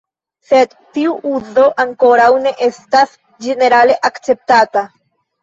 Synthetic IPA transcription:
se̞d | tiuʔuzo̞ʔaŋko̞ɾawne̞ʔe̞stas | d͡ʒe̞ne̞ɾale̞ʔakt͡se̞p̚tata

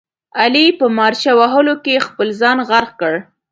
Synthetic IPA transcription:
alipəmɑɾʃawaɦəlokexpəlzɑnɣaɾɣkəɽ

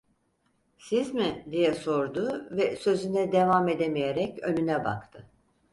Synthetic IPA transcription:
sizmɪd̪ijɛso̞ɾd̪ʊvɛsø̞zynɛd̪e̞vame̞d̪emijeɾɛcønynɛba̰kt̪ʰɯ

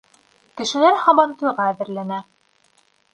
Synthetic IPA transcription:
kɘ̆ʃɘ̆læɾhɑβɑnt̪ɤ̆jʁɑːðɘ̆ɾlænæ

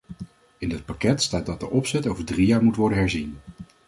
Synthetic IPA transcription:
ɪndət̚pakɛtstaːt̚dɑt̚dəʔɔpsɛtowvəɹdrijaːɹmutʋɔɹdənɦɛɹzin

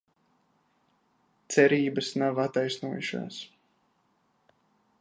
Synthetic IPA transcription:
t̪sɛɾiːbəsnavat̪ajsnuɔjuʃa̰ːs

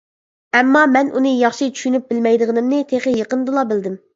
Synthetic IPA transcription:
ɛmːɑmɛnʔunɨjɑχʃit͡ʃʰy̥ʃynyp̚bɪlmɛjd̪ɨʁənɪmnɪt̪ʰeχəjeqənd̪ɨlˠɑbɪld̪ɪm

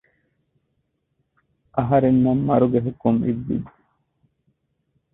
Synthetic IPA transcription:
ʔɐɦɐɾenːɐmːɐɾuɡeɦukːumḭʋːḭd̪u̥

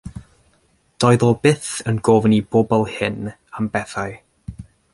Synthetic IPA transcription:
d̥ɔɨðɔbɪθənɡoːvnibobɔlˠhɪn | ambɛθaj

